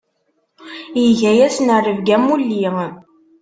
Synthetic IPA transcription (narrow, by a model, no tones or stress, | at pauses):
jəʝæjæsnərːəvɡæmːulːi